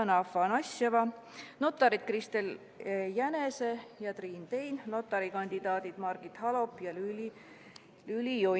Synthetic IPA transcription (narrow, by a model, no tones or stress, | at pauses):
nɑfɑnɑsɑvɑno̞t̪ːˑɑɾid̪̥̚krist̪el | jæne̞sejɑt̪riːnt̪e̞jnno̞t̪ˑːɑɾikɑnʲd̪̥id̪ɑːd̪id̪̥mɑrɡ̥it̪hɑlo̞pːjɑlyl | lylijo